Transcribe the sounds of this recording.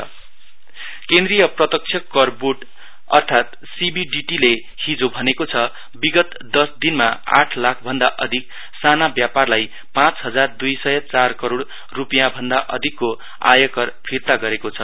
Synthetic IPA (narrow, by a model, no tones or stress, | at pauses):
ʌ | kẽnd̪rijʌprʌt̪ʌk̚t͡sʰjʌkːʌrbuʈ | ʌ̰rt̪ʰat̪ | sibiɖiʈile | hid͡zobʱʌnekot͡sʰʌ | biɡʌt̪ | d̪ʌsd̪inmaa̰ʈʰlakʰbʱʌnd̪aʔʌd̪ʱik̚ | sanabjaparlaj | pãt͡sɦʌd͡zard̪ujsʌjʌt͡sarkʌɾoɽ | rupijãbʱʌnd̪aʔʌ̰d̪ʱikːo | a̰jʌkʌrpʰirt̪aɡʌɾekot͡sʰʌ